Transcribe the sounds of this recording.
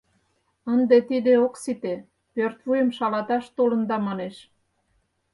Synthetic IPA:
ənd̪et̪id̪eoksit̪e | pørt̪vujəmʃɑlɑt̪ɑʃt̪olə̆nd̪ɑmɑneʃ

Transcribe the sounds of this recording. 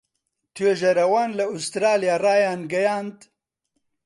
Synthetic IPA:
t̪ʰweʒɐɾɐwaːnlɐust̪ɾaːlijaːraːjaːnɡɐjaːnd̪

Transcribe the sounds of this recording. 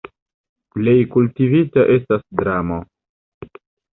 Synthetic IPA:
ple̞jkultivitaʔe̞stasdɾamo

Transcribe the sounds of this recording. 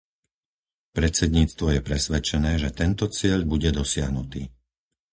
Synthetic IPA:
pɾɛt̪t͡sɛd̪ɲiːt͡st̪ʋɔjɛpɾɛsʋɛt͡ʃɛnɛːʒɛt̪ɛnt̪ɔt͡sɪɛʎbuɟɛd̪ɔsɪaɦnut̪iː

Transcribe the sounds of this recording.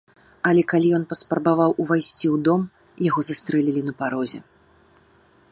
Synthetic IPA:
ɐlʲɛkalʲijɔnpɐspɾɐbavawʔuvajsʲt͡sʲiwd̪ɔm | jaɣɔzast̪ɾɛlʲilʲinɐpaɾɔzʲɛ

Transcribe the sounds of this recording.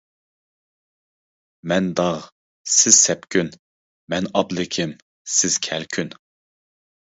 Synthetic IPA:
mɛnd̪ɑʁ | sɪzsɛpkʲʰyn | mɛnɑblɪkʲʰɪm | sɪz̥kʲʰɛlkʲʰyn

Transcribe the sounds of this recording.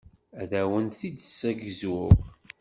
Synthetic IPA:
æðæwənθid̪əsːæɡəzʊʁ

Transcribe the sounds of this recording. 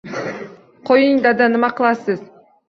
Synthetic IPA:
qʰojɯŋd̪ad̪anɨmɑqʰɨlˠɑsɨz̥

